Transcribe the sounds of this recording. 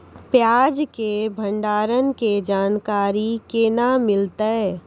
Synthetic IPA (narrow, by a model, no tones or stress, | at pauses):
pjaːd͡ʒkebʱə̃ɳɖaːɾənked͡ʒaːnkaːɾikeːnamɪlt̪eɛ